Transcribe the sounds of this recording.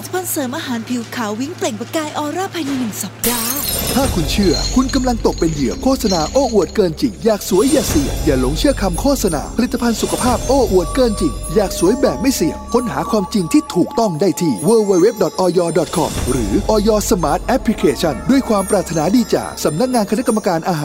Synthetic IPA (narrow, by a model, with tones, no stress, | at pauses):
t̪ʰːpʰa˧nsɤː˨˦mʔaː˧ɦaː˩˦npʰi˩˦wkʰaː˩˦wwi˦˥ŋple˨˩ŋpa˧˩kaː˧jʔɔː˧ɾaː˥˩pʰa˧jna˧nɯ˨˩ŋsa˨˦p̚daː˧˩t̪ʰaː˥˩kʰu˧nt͡ɕʰɯ˥˩ɐkʰu˧nka˧mla˧ŋt̪o˨˩k̚pe˧njɯ˨˩əkʰoː˥˩t̪̚sa˧naː˧ʔoː˧˥˩ʔu˨˩ət̪̚kɤː˧nt͡ɕi˨˩ŋjaː˨˩k̚su˩˦əjːaː˨˩si˨˩əjaː˨˩lo˨˦ŋt͡ɕʰɯ˥˩kʰa˧mkʰoː˥˩t̪̚sa˧na̰ː˧pʰa˧li˨˩t̪ʰːa˧pʰa˧nsu˨kʰa˧pʰaː˥˩p̚ʔoː˧˥˩ʔu˨˩ət̪̚kɤː˧nt͡ɕi˨˩ŋjaː˨˩k̚su˨˩˦əjbɛː˨˩p̚ma˥˩jsi˨˩əkʰo˧˦˥nɦa̰ː˩˦kʰwaː˧mt͡ɕi˧ŋt̪ʰiː˥˩t̪ʰuː˨˩k̚t̪ɔ˥˩ŋdaː˥˩jt̪ʰiː˥˩wəː˧weː˧we˦˥p̚dɔ˨˩t̪̚ʔɔː˧jɔː˧dɔ˨˩t̪̚kʰɔ̰˧mɾɯː˩˦ʔɔː˧jɔː˧sa˧maː˦˥t̪̚ʔɛ˦˥pʰːli˧kʰeː˧t͡ɕʰa˥˩ndu˥˩əjkʰwaː˧mpɾaː˨˩t̪ʰːa˧naː˩˦diː˧t͡ɕa̰ː˨˩ksa˩˦mna˦˥k̚ŋaː˧nkʰna˦˥kːa˧mːa˧kaː˧nʔaː˧ɦaː˨˦